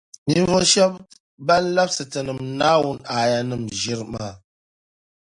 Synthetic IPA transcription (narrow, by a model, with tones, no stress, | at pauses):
mi˦ɱ˦vɔ˦ʃa˦p | ba˦n˦la˦p̚sə˨tə˨nə˨mna˦wu˦˨na˨ja˨nɨ˨mʒi˦ɾma˦˨